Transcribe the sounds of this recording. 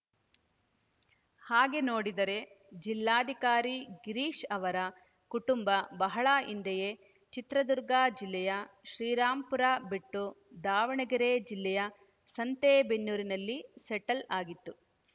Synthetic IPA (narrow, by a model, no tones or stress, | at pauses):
haːɡe̞no̞ːɽid̪ɐɾe̞ | d͡ʒilːaːd̪ʱikaːɾiɡiɾiːʃɐʋɐɾɐ | kuʈumbɐbɐɦɐɭaːʔind̪ɛje | t͡ʃit̪ɾɐd̪uɾɡaːd͡ʒilːɛjɐʃɾiːɾaːmpuɾaːbeʈːu | d̪aːʋɐɳɐɡɐɾed͡ʒilːɛjɐ | sɐnt̪eːbenːuːɾinɐlːisɛʈɐlaːɡit̪ːu